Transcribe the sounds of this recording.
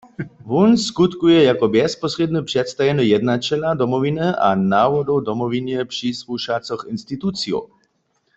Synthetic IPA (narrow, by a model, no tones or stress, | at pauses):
ʋunskut̪kujɛjakɔbjɛspɔsred̪nəpʂɛt̪st̪ajɛnəjɛd̪nat͡ʃɛlad̪ɔmɔvinɛʔanawɔd̪ɔwd̪ɔmɔʋinjɛpʂisluʃat͡sɔxinst̪it̪ut̪t͡sio̰